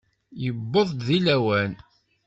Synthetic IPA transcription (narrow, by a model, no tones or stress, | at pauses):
jəbːoðˤd̪ðilæwæn